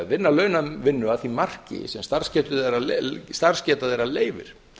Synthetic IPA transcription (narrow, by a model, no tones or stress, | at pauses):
ðvɪnːalœːɥnavɪnːʏaðθimar̥cɪ̰sɛmst̪aɾ̥scɛːt̪ʏðeɾalst̪ar̥scɛːt̪aðejɾaleːjvɪ̰ɾ̥